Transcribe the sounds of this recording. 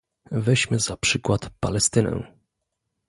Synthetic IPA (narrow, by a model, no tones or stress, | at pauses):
vɛɕmɘzapʂɘkwat̪pa̰lɛst̪ɘnɛ̰